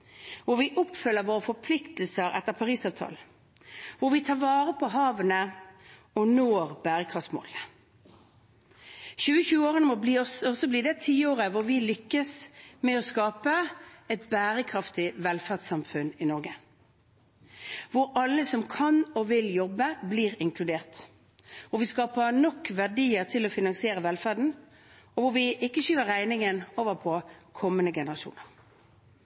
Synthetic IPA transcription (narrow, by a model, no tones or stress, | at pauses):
ʋʊɾʋɪʔɔpfʏlːəɾʋoːʁəfɔpʰlɪkt̪l̩səɾɛ̰t̪ːəʁpʰɑʁiːsɑːʋt̪ʰɑ̰ːln̩ | ʋʊɾʋɪt̪ʰɑːʋɑːʁəpʰɔɦɑːʋənə | ɔnoːɾbæːʁəkʰʁɑft̪mo̰ːl | çʉːəçʉːəoːʁənəmɔbliːɔsɔsɔbliːd̪ɛt̪ʰiːoːʁəʋʊɾʋɪlʏkːəsmɛɔskɑːpəɛt̪bæːɾəkʰɾɑft̪ɪʋɛlfæʁd̪sɑmfʉnɪnɔʁɡə | ʋʊɾɑlːəsɔmkʰɑnɔʋɪljɔbːəbliːʁɪŋkʰlʉd̪eːʁt̪ | ʋʊɾʋɪskɑːpəɾnɔkːʋæʁɖiːəʁt̪ʰɪlɔfɪnɑŋsɪeːɾəʋɛlfæʁɖ̪n̩ | ɔʋʊɾʋɪʔɪkːəɕyːʋəɾæɪnɪŋənoːʋəɾpʰɔkʰɔmːənəɡɛnəʁɑʃṵːnəʁ